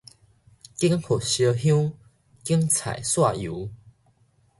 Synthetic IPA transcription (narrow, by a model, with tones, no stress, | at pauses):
ki˦˥ŋho˨˩ɕjə˧ɦjũ˦ | ki˦əŋt͡sʰa̰˨˩jswa˥˨ju˨˦